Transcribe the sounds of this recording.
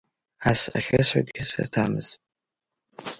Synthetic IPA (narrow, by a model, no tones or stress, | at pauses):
asaχasaɡʲisa̰tʰamɨz̥